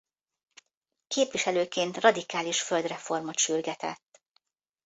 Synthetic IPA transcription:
keːpʋiʃɛløːkeːnt̪rɒd̪ikaːliʃføld̪rɛfo̞rmot̪ʃyrɡɛt̪ɛ̰t̪ː

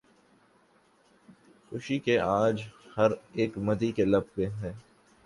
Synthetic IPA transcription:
xʊʃikeʔaːd͡ʒhɐɾeːkmɐd̪ikelɐb̚pẽɦɛ̃ː

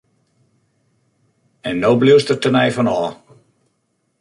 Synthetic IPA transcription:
ɛnːoːbliəstətənɛjfɔnɔː

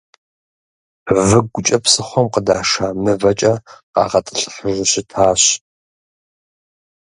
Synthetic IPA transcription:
vɨɡʷʊt͡ʃʼɐpsɨχʷɔmqədaːʂaːmɨvɐt͡ʃʼɐqɑ̰ːʁɐtʼɨɬħəʒʷʊɕɪtʰaːɕ

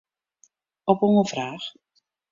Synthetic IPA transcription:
ɔpɔŋəv̥raːx

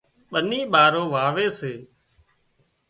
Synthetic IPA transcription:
ɓəniːɓaːɾoːʋaːʋeːseː

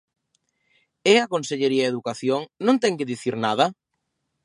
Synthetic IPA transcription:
eakonseʎeɾiaeðukaθjoŋnõnt̪ɛŋkɪðiθiɾnað̞ɐ

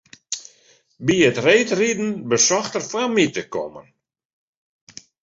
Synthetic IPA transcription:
biətreːtridn̩bəsɔxtərfamitəkɔ̰mə̰n

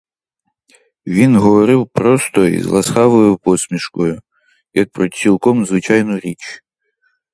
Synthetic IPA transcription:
ʋʲinɦɔʋɔɾɪwpɾɔst̪ɔḭzlˠɐsxaʋɔjʊpɔsʲmʲiʃkɔjʊ | jɐk̚pɾɔt͡sʲilˠkɔmzʋɪt͡ʃajnʊɾʲit͡ʃ

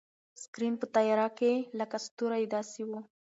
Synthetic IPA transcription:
skɾimpət̪ɑjɑɾakeləkast̪uɾajd̪ɑsewu

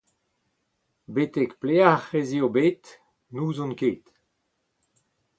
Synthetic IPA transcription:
bet̪ɛkpleaχeziobet̪ | nuːzɔ̃nkeːt̪

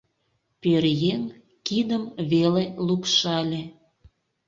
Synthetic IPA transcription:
peɾjen | kid̪əmβelelukʃɑlʲe

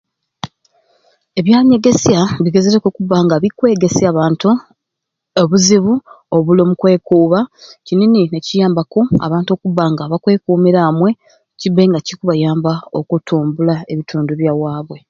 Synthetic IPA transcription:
e̞βjaːɲe̞ɡe̞sjaβiɡe̞zeɾekokuβːaŋɡaβikwe̞ːɡe̞seaβaːntu | oβuziβu | o̞βulomukwe̞ːkuːβacinininecijaːmbako̞a̰βaːnto̞ːkuβːaŋɡaβakwe̞ːkuːmiɾamwe̞ | cibe̞ŋɡacikuβajaːmbao̰kutʰuːmbulae̞βitʰuːnduβjawaːβwe̞

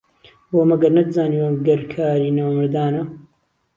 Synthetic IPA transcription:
bomɐɡɐɾnɐd̪ɨzaːniwɐmɡɐɾkʰaːɾiːnawmɨɾd̪aːnɐ

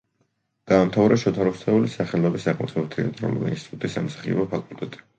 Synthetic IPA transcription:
ɡ̥aːmt̪ʰavɾaʃɔt̪ʰaɾɔst̪ʰɛulisaχɛlɔbisaʁm̰t̪ʰɛbt̪ʰɛat̪ʼɾɔ̰lṵɾa̰inst̪it̪ʼut̪ʼisa̰msḁχiɔbɔpʰakʼult̪ʼɛt̪ʼi̥

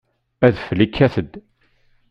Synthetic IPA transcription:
æðflikʰːæθəd̪

